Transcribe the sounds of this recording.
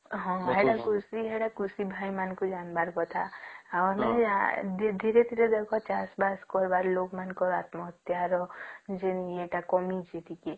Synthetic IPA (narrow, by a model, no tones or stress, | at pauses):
ɦɔ̃ːɦɛɽakusiɦɛɽakusibʱaːimankod͡ʒaːnbaɾkɔt̪ʰaɔɾmɛ̃d̪d̪ʱiːɾed̪ʱiɾed̪ekʰɔt͡ʃaːsbaskɔɾbaɾloːɡmankoaːt̪mɔɦət̪jaɾɔd͡ʒenieʈakɔmid͡ʒet̪iki